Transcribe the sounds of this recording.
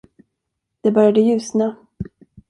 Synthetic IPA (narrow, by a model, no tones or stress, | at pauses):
d̪̥ɛbœɾjad̪əjʉ̟ːsna